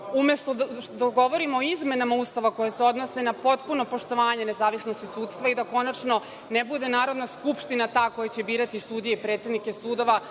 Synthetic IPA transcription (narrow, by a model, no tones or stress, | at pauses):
ume̞st̪od̪aɡo̞ʋo̞ɾimoːizme̞namaust̪aʋako̞jeseo̞d̪nose̞napo̞t̪puno̞po̞ʃt̪o̞ʋaːɲe̞ne̞zaːʋisnost̪isuːt̪st̪ʋaid̪ako̞nat͡ʃno̞ | nebud̪e̞naːɾo̞d̪naskupʃt̪inat̪aːko̞jat͡ɕe̞biːɾat̪isuːd̪ijeipɾet̪sjed̪nike̞suːd̪o̞ʋa